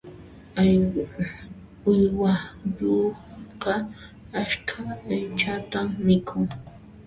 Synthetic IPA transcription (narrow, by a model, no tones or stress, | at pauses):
ʊjwaʎoqɑ | aʃkʰaːjt͡ʃat̪amːɪkʰʊŋ